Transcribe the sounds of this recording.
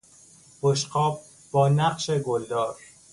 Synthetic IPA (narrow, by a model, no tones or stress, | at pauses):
boʃqɒːb̚ | bɒːnæqʃeɡold̪ɒːɾ